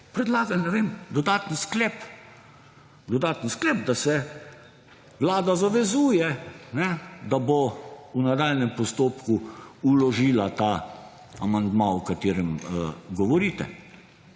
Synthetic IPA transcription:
pɾɛd̪laːɡalnɛʋeːmd̪ɔd̪aːt̪nsklɛp | d̪ɔd̪aːt̪ənsklɛːb̚d̪asɛ | ʋlaːd̪azaʋɛzuːjɛnɛd̪abounad̪aːlnɛmpɔst̪oːpkuulɔʒiːlat̪a | amand̪maɔkat̪eːɾɛmɡɔʋɔɾiːt̪ɛ̰

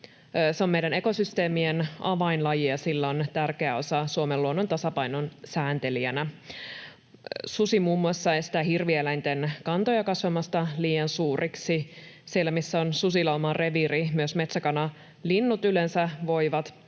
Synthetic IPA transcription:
seomejɾæneko̞syst̪e̞ːmienɑʋɑinlɑjiɑsilːæont̪ærkeæo̞sɑsuomelːuonːont̪ɑsɑpɑinonsæːnt̪e̞liænæ | susimuːmːuɑsːɑesi̥t̪æɦirʋielæint̪enkɑnt̪ojɑkɑsʋɑmɑst̪ɑliːjɑnsuːrʔiksisielːæmisːæonsusilɑomɑrʔe̞ʋirimyøsmet̪sækɑnɑ | linːut̪ylensæʋo̞iʋɑt̪

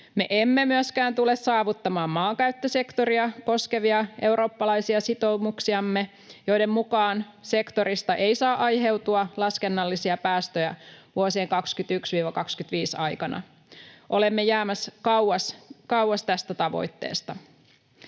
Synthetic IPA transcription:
me̞ʔemːemyøskæːnt̪ule̞ssɑːʋut̪ːɑmɑːmːɑːŋkæɥt̪ːøse̞kt̪o̞ɾiɑko̞ske̞ʋiɑʔe̞wɾo̞ːpːɑlɑjsiɑsit̪o̞muksiɑmːe | jo̞jde̞mmukɑːn | se̞kt̪o̞ɾist̪ɑʔe̞jsɑːʔɑjɦe̞wt̪uɑlɑske̞nːɑlːisiɑpæːst̪øjæʋuosieːŋkɑkskyt̪yksʋiːʋɑkɑkskyt̪ʋiːsɑjkɑnɑ̰ | ʔo̞le̞mːejæːmæskɑwwɑskɑwwɑst̪æst̪æt̪ɑʋo̞̰jt̪ːe̞̰ːst̪ɑ

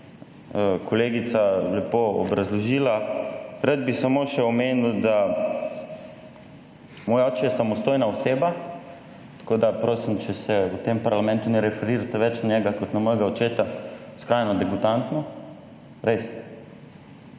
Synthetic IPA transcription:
əkʰɔleːɡit̪salɛpoɔ̰bɾazlɔʒilaɾad̪̚bisamoʃɛɔmeːnuwd̪a | mɔːjaɔːt͡ʃɛjɛsamɔst̪oːjnaɔseːba | t̪ḁkoːd̪apɾoːsimt͡ʃɛsɛut̪empaɾlamɛ̃nt̪unɛɾɛfɛɾiɾat̪ɛʋɛt͡ʃnanjɛɡakɔt̪namɔjɡaɔt͡ʃeːt̪askɾajnɔd̪ɛɡut̪ant̪nɔ | ɾes

